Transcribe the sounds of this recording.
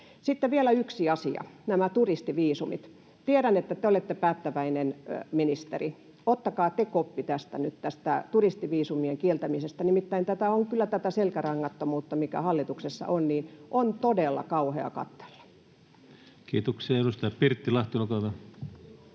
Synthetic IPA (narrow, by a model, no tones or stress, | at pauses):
sit̪ːeʋielæyksiɑsiɑ̰næmæt̪urist̪iʋiːsumḭt̪ | t̪ieɾænet̪ːæt̪eolet̪ːepæːt̪ːæʋæinenminist̪ḛri | ot̪ːɑkɑːt̪ekopːit̪æst̪æ̰nyt̪t̪æst̪æt̪urist̪iʋiːsumieŋkielt̪æmisest̪ænimit̪ːæint̪æt̪æoŋkylːæt̪æt̪æselkærɑŋːɑt̪ːomuːt̪ːɑmikæ̰hɑlːit̪uksesːɑ̰ʔonniːnʔont̪odelːɑ̰kɑuheɑ̰kɑ̰t̪ːe̥lːɑ̥ | kiːt̪oksiɑeɾust̪ɑjɑpirt̪ːilɑht̪ilukɑʋɑ